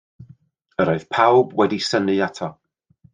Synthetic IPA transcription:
əɾɔɨð̥pʰawbwɛdisənɨatʰɔ

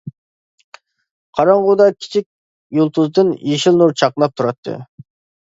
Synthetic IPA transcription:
qʰɑɾɑɴʁud̪ɑkʲʰi̥t͡ʃʰik̚ʲ | julˠt̪ʰuzd̪ɨnjiʃilnuɾt͡ʃʰɑqnˠɑp̚t̪ʰuɾɑt̪ʰːɨ̰

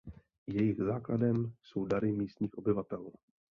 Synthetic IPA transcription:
jɛjɪɣzaːkladɛmso̞wdaɾɪmiːst̪ɲiːxʔo̞bɪvat̪ɛl

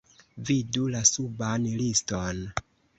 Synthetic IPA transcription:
vidulasubanliston

